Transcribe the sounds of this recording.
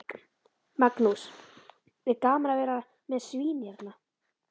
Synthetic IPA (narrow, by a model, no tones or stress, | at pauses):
maknus | vɪðkaːmɾavɛːɾa | mɛðsviːnjɛɾt̪na